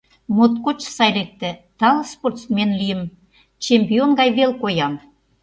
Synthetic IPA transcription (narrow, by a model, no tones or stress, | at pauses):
mot̪kot͡ɕsɑjlek̚t̪ɘ̆t̪ɑlˠsport̪smʲenlijə̆m | t͡ɕemʲpʲionɡɑjβelkojɑm